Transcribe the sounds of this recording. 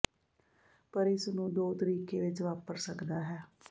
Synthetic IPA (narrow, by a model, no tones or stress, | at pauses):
pəɾɪsnũːd̪oːt̪əɾiːkeːʋɪt͡ʃʋaːpəɾsəkd̪aːɦɛː